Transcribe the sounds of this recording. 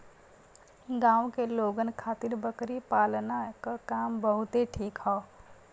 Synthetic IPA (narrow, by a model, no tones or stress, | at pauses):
ɡãːwkeloːɡənkʰaːt̪ɪɾbəkɾipaːlnakakaːmbəɦʊt̪eʈʰiːkɦɔ